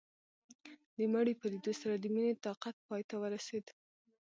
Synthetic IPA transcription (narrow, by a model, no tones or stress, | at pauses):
d̪əmaɽipəlid̪osaɾad̪əminet̪ɑqat̪̚pɑjt̪awəɾased̪